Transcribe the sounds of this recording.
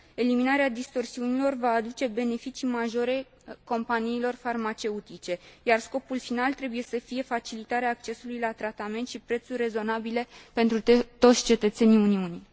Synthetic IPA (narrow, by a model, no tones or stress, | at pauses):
e̞liminaɾead̪ist̪o̞rsiunilo̞rvaːd̪ut͡ʃe̞be̞ne̞fit͡ʃimaʒo̞ɾe̞ | ko̞mpaniːlo̞rfarmat͡ʃe̞ut̪it͡ʃe̞jarsko̞pulfinalt̪ɾe̞buje̞səfije̞fat͡ʃilit̪aɾeaːk̚t͡ʃe̞sulujlat̪ɾat̪ame̞nt̪ʃipɾe̞t̪surʲre̞zo̞nabile̞pe̞nt̪ɾut̪o̞t̪sʲt͡ʃe̞t̪ət̪se̞niuniuni